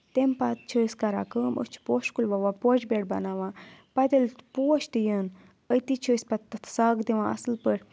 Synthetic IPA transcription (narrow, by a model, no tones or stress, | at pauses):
t̪empat̪̚t͡ʃʰəːskɐɾa̰ːkəːmə̰t͡ʃʰi̥poːʃkulʲʋaʋaːpot͡ʃbeʈbɐ̰naːʋãːpɐt̪elpuːɔʃt̪ijən | ət̪it͡ʃʰəːsʲpɐt̪t̪ːɐt̪ʰsaːɡd̪iʋãːʔɐ̰slpəɾʲ